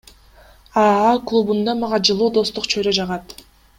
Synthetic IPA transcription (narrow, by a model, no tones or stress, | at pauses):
ɑɑklˠubund̪ɑmɑʁɑd͡ʒɯlˠuːd̪o̞st̪uqt͡ʃʰøɾød͡ʒɑʁɑt̪